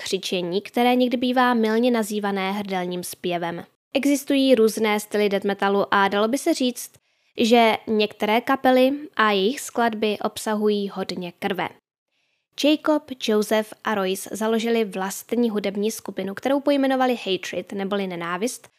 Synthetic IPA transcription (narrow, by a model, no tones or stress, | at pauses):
kr̝̥ɪt͡ʃɛɲiːkt̪ɛɾɛːɲɛɡdɪbiːvaːmɪlɲɛnaziːvanɛːɦr̩dɛlɲiːmspjɛvɛm | ʔɛɡzɪst̪ujiːɾuːznɛːst̪ɪlɪdɛt̪mɛt̪aluʔadalo̞bɪsɛr̝iːt͡st̪ | ʒɛɲɛkt̪ɛɾɛːkapɛlɪʔajɛjɪxskladbɪʔo̞psaɦujiːɦo̞dɲɛkr̩vɛ̰ | d͡ʒɛjko̞pd͡ʒowzɛfʔaɾo̞jszalo̞ʒɪlɪvlast̪ɲiːɦudɛbɲiːskupɪnukt̪ɛɾo̞wpo̞jmɛno̞valɪhɛjt̪ɾɪt̪nɛbo̞lɪnɛnaːvɪst̪